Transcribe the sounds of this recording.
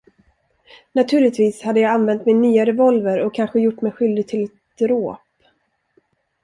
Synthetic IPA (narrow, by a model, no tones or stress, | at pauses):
nat̪ʰʉ̟ːɭɪt̪viːshad̪ːəjɑːɡanvɛnt̪mɪnːyːaɾɛvɔlvəɾɔkʰːanɧəjʊʈːmɛjɧʏld̪ɪɡ̚t̪ʰɪlɛt̪̚d̪̥ɾoːp